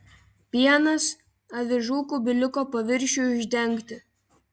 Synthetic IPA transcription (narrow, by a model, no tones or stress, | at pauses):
pʲiɛnɐs | ɐʋʲɪʒuːkuːˑbʲɪlʲɪkoːpɐʋʲɪɾʲˑʃʲuːˑʊʒʲd̪ʲɛŋʲˑkt̪ʲɪ